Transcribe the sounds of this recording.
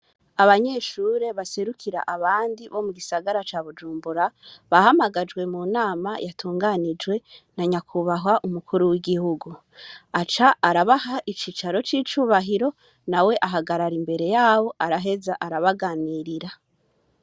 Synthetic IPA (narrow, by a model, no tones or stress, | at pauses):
aβaɲe̞ʃuːɾe̞βase̞ɾukʰiɾa̰ʔaβaːndiβo̞muɡisaɡaɾat͡ʃaːβud͡ʒuːmbuɾaβahamaɡad͡ʒwe̞muːnaːmajatʰuːŋɡanid͡ʒwe̞naɲakʰuβaɦwaʔumukʰuɾuwiɡihuɡu | at͡ʃaaɾaβahaʔit͡ʃiːt͡ʃaɾo̞t͡ʃiːt͡ʃuːβaɦiɾo̞ | nawe̞ʔaɦaɡaɾaɾimbe̞ɾe̞jaːβo̞ʔaɾaɦe̞zaʔaɾaβaɡaːniɾiɾa